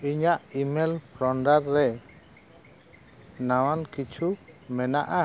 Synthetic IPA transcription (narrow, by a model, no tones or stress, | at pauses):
iɲaʔimɛlpʰɾɔɳɖaɾːɛ | nawankit͡ʃʰumɛnaʔa